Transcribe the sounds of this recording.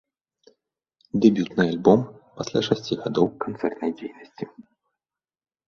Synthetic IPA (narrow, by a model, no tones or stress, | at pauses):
d̪ɛbʲjut̪nɨjalʲbɔmpasʲlʲa̰ʂasʲt͡sʲiɣad̪ɔwkant̪sɛ̰rt̪nɐjd͡zʲejnɐsʲt͡sʲi